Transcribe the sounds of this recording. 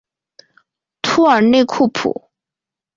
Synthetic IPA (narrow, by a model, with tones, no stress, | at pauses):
t̪ʰu˥ə˞˨˩ne˥˧ɪkʰu˥˩pʰṵ˨˩˦